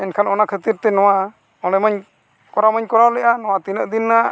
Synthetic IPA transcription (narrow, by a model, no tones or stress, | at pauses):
ɛnkʰanɔnakʰət̪iɾt̪ɛnɔwa | ɔlɛməɲ | kɔɾaməɲkɔɾawlɛʔanɔwat̪inəʔd̪inːa